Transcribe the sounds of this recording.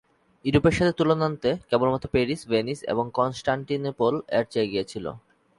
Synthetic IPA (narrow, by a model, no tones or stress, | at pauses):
iɾupeɾʃat̪ʰet̪ulonant̪ekebolmɔt̪opeɾisbenisḛboŋkɔnsʈaɳʈinpolɛɾt͡ɕeeɡijet͡ɕʰilo̰